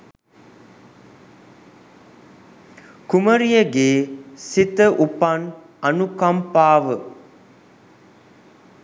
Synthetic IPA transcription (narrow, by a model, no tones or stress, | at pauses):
kuməɾijəɡeːsit̪əʔupan | ɐnukampaːʋə